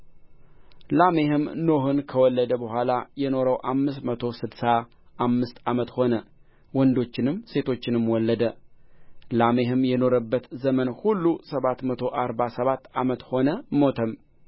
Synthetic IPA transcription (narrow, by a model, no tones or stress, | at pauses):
lame̞hɨmno̞ɦɨnkʰəwɔlːəd̪əbəɦʷalajɛno̞ɾəwʔamːɨsmət̪ʰo̞sɨd̪sa | ʔamːɨst̪amət̪ho̞nə | wɔnd̪o̞t͡ʃːɪnɨmːse̞t̪ʰo̞t͡ʃːɪnɨmwɔlːəd̪ə | lame̞ɦɨmjɛno̞ɾəbːət̪zəmənhulːusəβat̪mət̪ʰo̞ʔaɾbasəβat̪ːamət̪ho̞nəmo̞t̪ʰəm